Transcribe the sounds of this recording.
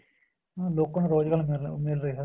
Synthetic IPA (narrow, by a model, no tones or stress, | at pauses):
ãloːkːənːɾoːd͡ʒɡəlmɪmɪlɾəiːɦɛː